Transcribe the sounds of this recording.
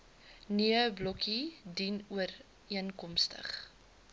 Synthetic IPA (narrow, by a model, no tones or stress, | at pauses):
nyəblɔkidinuər | iənkɔmstə̰χ